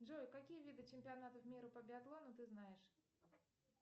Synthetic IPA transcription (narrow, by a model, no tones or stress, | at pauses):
dʐojkakʲijəvʲid̪ɨt͡ɕɪmʲpʲɪanat̪əfmʲiɾɐpɐbʲɪaɡlˠonʊt̪ɨznajɪʂ